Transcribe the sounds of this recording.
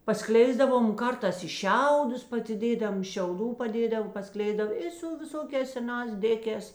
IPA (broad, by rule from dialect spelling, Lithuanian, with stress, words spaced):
pɐˈsklʲɛɪzdɐʋoːm oː ˈkɐrtɑːs ɪ ˈʃʲɛʊdʊs pɐsʲɪˈdʲeːdɐm ʃʲɛʊˈduː pɐˈdʲeːdɐw pɐˈsklʲɛɪzdɐw ˈɪ sʊ ʋʲɪˈsoːkʲɛːs sʲɛˈnɑːs ˈdʲeːkʲɛːs